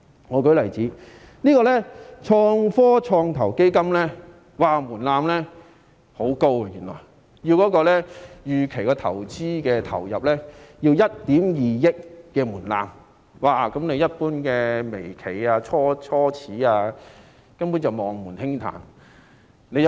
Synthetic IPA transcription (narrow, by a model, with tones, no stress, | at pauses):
ŋɔː˨˧kɵ˨˥lɐ˨˩jt͡siː˨˥ | niː˥kɔː˧lɛː˥t͡ʃʰɔː˧ŋfɔː˥t͡ʃʰɔː˧ŋt̪ʰɐ˨˩wke˥jkɐ˥mlɛ˥ | waː˨˩muː˨˩nlaː˧mlɛ˥ | ho˨˥wko˥wɐ˧jyː˨˩nlɔ̰ː˨˩j | ji˧wkɔː˨˥kɔː˧lɛ˥jyː˨kʰe˨˩jkɔː˧t̪ʰɐ̰˨˩wt͡siː˥kɛː˧t̪ʰɐ̰˨˩wjɐ˨p̚lɛː˥ji˧wjɐ˥t̚t̪iː˨˥mjiː˨jɪ˥kːɛː˧muː˨˩nla̰ː˧m | waː˨kɐ˨˥mne˨˧jɐ˥t̚puː˥nkɛː˧me˨˩jkʰe˨˩jaː˧t͡ʃʰɔː˥t͡ʃʰɔː˥t͡sʰiː˨˥aː˧ | kɐ˥npuː˨˥nt͡sɐ˨wmɔː˨ŋmuː˨˩nhɪ˥ŋt̪ʰa̰ː˨˩n | ne˨˧j